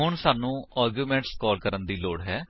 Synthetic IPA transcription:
ɦʊɳsaːnũːaːɾɡjuːmɛ̃ːɳʈskɔːlkəɾənd̪iːloːɽɦɛː

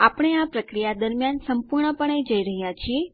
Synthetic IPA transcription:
apəɳ̃eapɾəkɾijad̪əɾmjansəmpuɾɳəpəɳ̃ed͡ʒəiɾəɦjat͡ʃʰie

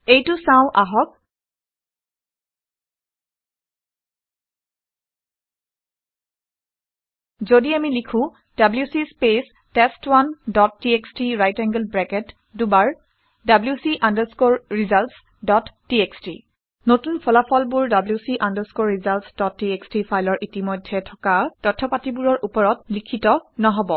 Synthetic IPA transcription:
ejtusãʊ̃ʔaɦɔk̚ | zodiamilikʰʊ̃ | dabljusispes | tɛstwandɔtːiekstɹiɹajtɛŋɡəlbɹɛkɛt | dubaɹ | dabljusiʔandəskoɹːizalts | dɔtːiekstɹḭ | notunpʰɔlapʰɔlbuɹdabljusiʔandəɹskoɹːizaltsd̥ɔtːiekstipʰajlɔɹʔitimɔjdʱːɛtʰɔkatɔtʰːɔpatibuɹɔɹʔupɔɹɔt̚likʰitɔnɔɦɔbɔ

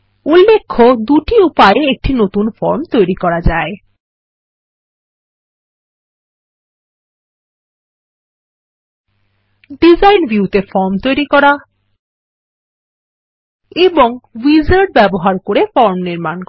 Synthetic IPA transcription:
ulːekʰːod̪uʈiupaeek̚ʈinot̪unfɔɾmt̪ojɾikɔɾad͡ʑae | ɖizajnbʱjut̪efɔɾmt̪ojɾikɔɾa | eboŋwizaɾɖ̚bɛboɦaɾkoɾefɔɾmniɾmank

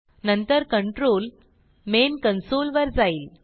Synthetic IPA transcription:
nənt̪əɾkəɳʈɾoːl | menkənsoːlʋəɾd͡zaiːl

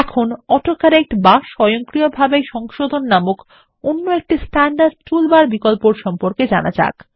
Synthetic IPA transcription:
ɛkʰonɔʈokaɾek̚ʈbaʃɔjoŋkɾijobʱabejʃɔŋʃod̪ʱonːamok | onːoek̚ʈisʈɛɳɖaɾɖʈulbaɾbikolpoɾʃɔmpoɾked͡ʑana̰d͡ʑa̰k

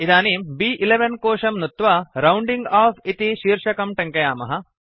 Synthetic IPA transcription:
id̪aːniːmbiːʔileʋɐnkoːʂɐmnut̪ʋɐɾɐwɳɖiŋɡaːfit̪iʃiːɾʂɐkɐmʈɐŋkɐjaːmɐɦɐ

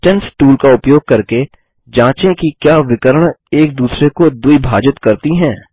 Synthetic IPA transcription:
ʈɛnsʈuːlkaʊpjoːɡ̚kɐɾke | d͡ʒãːt͡ʃẽkikjaːʋɪkəɾəɳ̃eːk̚d̪uːsɾekod̪uibʱaːd͡ʒɪt̪kɐɾt̪iɦɛ̃ː

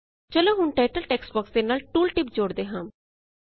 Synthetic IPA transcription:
t͡ʃəlõːɦʊnʈaːʈəlʈɛːksbɔːksd̪eːnaːlʈuːlʈɪpd͡ʒoːɽd̪eːɦãːm

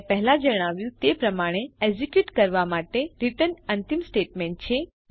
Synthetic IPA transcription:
pɛɦlãd͡ʒəɽ̃aʋjũt̪epɾəmaɽ̃eed͡ʒikjuʈkəɾʋamaʈeɾiʈənənt̪imsʈeʈmeɳʈ̚t͡ʃʰe

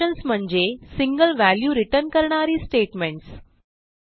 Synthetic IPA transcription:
ənsm̤əɳd͡ʑesiŋɡəlʋæljuːɾiʈəɾnkəɾɳaɾiːsʈeʈmeɳʈs

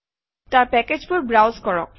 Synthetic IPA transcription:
taɹpɛked͡ʒbʊɹbɹawzkɔɹɔ̰k̚

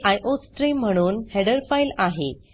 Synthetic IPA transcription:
ʔajʔosʈɾim̤ːəɽ̃uːnhɛɽəɾfajlaɦe

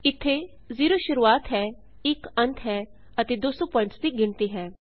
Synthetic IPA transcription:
ɪt̪ʰːeː | ziːɾoːʃʊɾuːaːt̪ɦɛː | ɪkənt̪ʰɦɛː | ət̪eːd̪oːsõːpɔːɪ̃ɳʈsd̪iːɡɪnt̪iːɦɛː

